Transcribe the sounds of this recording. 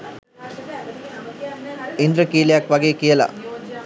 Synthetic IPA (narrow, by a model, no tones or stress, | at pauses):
ind̪ɾəkiːlejakʋaɡeːkijəla̰